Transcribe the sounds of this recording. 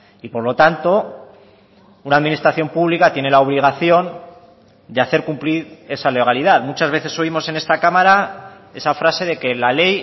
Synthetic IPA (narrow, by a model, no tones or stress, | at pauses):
ipo̞ɾlo̞t̪ant̪o̞ | unaðminist̪ɾaθjo̞mpuβlikat̪je̞ne̞lao̞β̞liɣ̞aθjo̞n | d̪eaθe̞ɾkumpliɾe̞sale̞ɣ̞aliðaðmut͡ʃazβ̞e̞θe̞soimo̞se̞ne̞st̪akamaɾa | e̞safɾase̞ðe̞ke̞lale̞j